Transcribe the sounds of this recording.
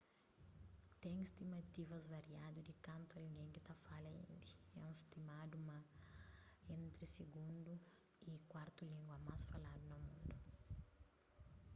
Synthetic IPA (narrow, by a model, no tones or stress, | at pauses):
t̪ɛ̃j̃ist̪imɐt̪ivɐzvaɾiad̪ud̪ikɐ̃nt̪uɐlɡẽjkɪt̪afalɐḭ̃nd̪iɛũist̪imad̪umɐ | ẽnt̪ɾisiɡũnd̪u | ikwaɾt̪ulĩŋɡwɐmasfalad̪unomũnd̪u